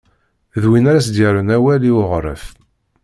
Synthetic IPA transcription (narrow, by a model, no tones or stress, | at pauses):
ðwinæɾæs̬d̪jəɾənæwæliʊʁɾˤə̰f